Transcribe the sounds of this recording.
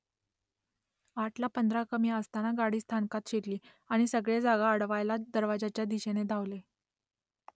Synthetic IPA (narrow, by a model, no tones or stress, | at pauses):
aʈlapənd̪ʱɾakəmiəst̪anaɡaɽiːst̪ʰankat̪ɕeʈliː | aɽ̃isəɡɭed͡zaɡaəɽʋajlad̪əɾʋad͡zat͡ɕjad̪iɕened̪ʱaʋle